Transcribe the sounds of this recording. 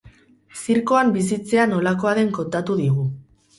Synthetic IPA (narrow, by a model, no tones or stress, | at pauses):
siɾko̞ambis̬it͡se̞ano̞lako̞aðe̞ŋko̞nt̪at̪uðiɣ̞u